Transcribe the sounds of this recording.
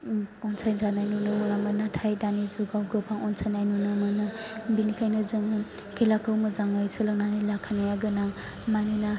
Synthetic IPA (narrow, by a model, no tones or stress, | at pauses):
ɔnsajnzanajnunɯmanamɯnatʰajdanizuɡawɡɯpʰaŋɔnsʰajnajnunɯmɯnɯbinikʰajnɯzɯŋ | kʰelakʰɯwmɯzaŋajsʰɯlaknanilakʰanajaɡɯnaŋ | manɯna